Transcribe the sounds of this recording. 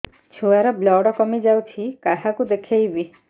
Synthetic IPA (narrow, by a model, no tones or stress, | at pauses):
t͡ʃʰuaɾɔblɔɽɔkɔmid͡ʒawt͡ʃʰikaɦakud̪ekʰejbi